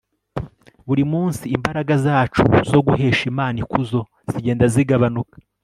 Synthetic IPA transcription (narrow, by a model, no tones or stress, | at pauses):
βuɾimuːnsiːmbaɾaɡazaːt͡ʃṵzo̞ɡuɦe̞ːʃimaːnikuzo̞ | z̥iɟeːndaziɡaβanukḁ